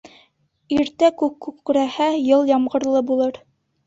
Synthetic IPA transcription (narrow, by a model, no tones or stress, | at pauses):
iɾt̪ækʉkːʉk̚kɵ̆ɾæhæjɤlˠjɑmʁɤ̆ɾlˠɤbulˠɤɾ